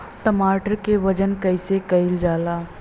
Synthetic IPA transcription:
ʈəmaːʈəɾkeʋɐd͡ʒənkɐɪsekɐɪld͡ʒaːlaː

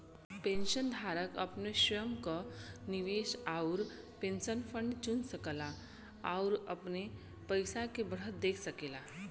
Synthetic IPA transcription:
pẽnʃənd̪ʱaːɾəkɐpneʃjəmkaniʋeːʃaʊɾ | pẽnʃənfʰə̃ɳɖt͡ʃʊnsəkəla | aʊɾɐ̰pne | pəɪsakebəɽ̤ət̪̚d̪eːkʰsəkeːla

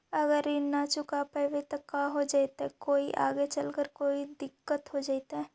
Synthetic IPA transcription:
ɐɡəɾinɐt͡ʃʊkapɐʋet̪ɐkaɦod͡ʒaːit̪aɛkoːiʔa̰ːɡet͡ʃəlkəɾkoːid̪ɪkːət̪ɦod͡ʒaːɪt̪aɦɛ

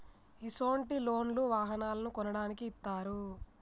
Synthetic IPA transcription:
isoːɳʈilo̞ːnluʋaːɦɐnaːlɐnukɔnɐɽaːnikiːt̪ːaːɾu

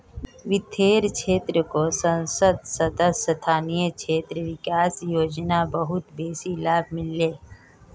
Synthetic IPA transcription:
ʋɪt̪ʰeːɾkʰeːt̪ɾəkosə̃nsəd̪səd̪əsət̪ʰaːnijət͡ʃʰeːt̪ɾəʋɪkaːsjoːd͡ʒnabəɦʊt̪beːsilaːbmɪlːeː

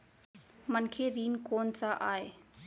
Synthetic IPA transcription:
mənkʰeɾiːnkoːnsaʔaːeː

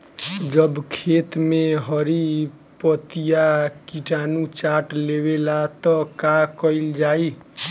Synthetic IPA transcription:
d͡ʒəbkʰet̪meɦəɾi | pət̪ijakiʈʰanut͡ʃaʈleβelat̪ɔkakəild͡ʒai

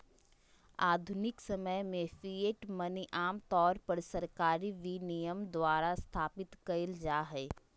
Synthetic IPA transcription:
aːd̪ʱʊnɪksɐməjmẽfieʈmɐniʔaːmt̪ɔːɾpɐɾsɐɾkaːɾiʋinijəmd̪waːɾast̪ʰaːpɪt̪kɐɪld͡ʒaːɦɛː

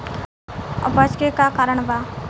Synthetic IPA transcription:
ɔ̰bət͡ʃkekakaːɾəɳ̃ba

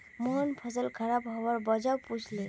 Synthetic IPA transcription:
moɦɔnpʰɔzɔlkʰaɹabɦɔbaɹbɔd͡ʒawpud͡ʒʰʱle

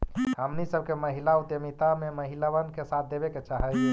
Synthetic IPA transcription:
həmnisəb̚keməɦilaut̪jəmit̪ameməɦilaβənkesat̪̚ʰd̪ebɛket͡ʃaɦəl

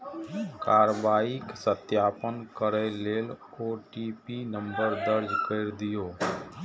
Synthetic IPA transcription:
kaːɾəʋaːɪksət̪jaːpənkəɾeleːloːʈipinə̃mbəɾd̪əɾd͡ʒkeɾd̪ɪjoː

